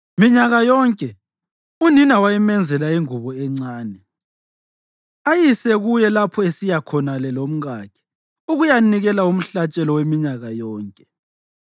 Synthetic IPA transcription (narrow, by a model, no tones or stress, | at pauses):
miɲaɣajɔŋkʼɛ | uninawajɛmɛnd͡zʱɛlaiŋuβɔɛŋ͡ǀaːnɛ | ajisɛɣujɛlapʰɔesijakʰɔnalɛlom̩ɣakʰɛ̥ | uɣujaniɣɛlaum̩ɬat͡ʃʼɛlɔwemiɲaɣajɔːŋkʼɛ̥